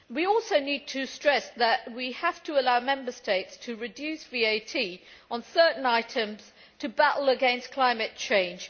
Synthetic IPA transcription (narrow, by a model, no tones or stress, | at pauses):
wiɔˑlˠsoʊnid̚tʰɨstɹ̥ɛsðəʔwihaftʰəəlaʊmɛ̃mbəsteɪtstʰəɹɨdjʉˑsvieɪtʰiə̃nsɜˑ˞ʔn̩aɪtə̃mz̥ | tʰəbæʔl̩ˠəɡɛ̃nskʰl̥ãɪ̃mɨt̚t͡ʃʰẽɪ̃nd͡ʒ̥